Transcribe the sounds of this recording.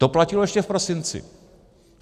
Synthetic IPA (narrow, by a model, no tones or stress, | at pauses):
t̪o̞placɪlojɛʃcɛfpɾo̞sɪnt͡sɪ̰